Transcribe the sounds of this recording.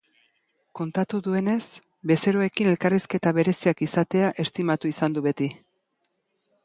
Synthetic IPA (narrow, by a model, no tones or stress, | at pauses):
ko̞nt̪at̪uðue̞ne̞s | be̞se̞ɾoe̞kine̞lkariske̞t̪aβe̞ɾe̞siakisat̪e̞aʔe̞st̪imat̪uisand̪uβe̞t̪i